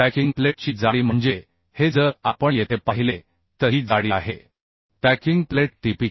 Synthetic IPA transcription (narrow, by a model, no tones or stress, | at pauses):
pækiŋɡpleʈt͡ɕiːd͡zaɽiːm̤əɳd͡ʑe | hed͡zəɾapəɳjet̪ʰepaɦile | t̪əɦiːd͡zaɽia̰ɦe | pækiŋɡpleʈ̚ʈipik